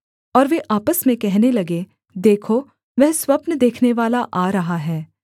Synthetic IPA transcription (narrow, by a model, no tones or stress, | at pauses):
ɔːɾʋeʔaːpəsmẽkɛɦnelɐɡe | d̪eːkʰo | ʋɛɦswɐpnəd̪eːkʰneʋaːlaʔaːɾɐɦaɦɛː